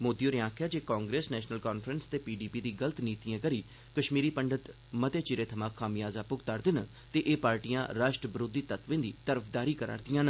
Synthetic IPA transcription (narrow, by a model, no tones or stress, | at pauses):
moːd̪ijoːɾɪãːkʰjaːd͡ʒeːkaːŋɡɾeːsnɛːʃnəlkaːnpʰɾənst̪eːpiːɖiːpiːd̪iːɡələt̪niːt̪ijãːkəɾiː | kəʃmiːɾiːpəɳɖət̪ | mət̪eːt͡ʃɪɾeːt̪ʰəmaːkʰːaːmijaːzaːpʊɡt̪aːɾd̪ɪnə | t̪eːʔeːpaːɾʈijãːɾaːʃʈɾəbɾoːd̪iːt̪ət̪ʋẽːnd̪iːt̪əɾəpʰd̪aːɾiːkəɾa̰ːɾd̪ijãːnə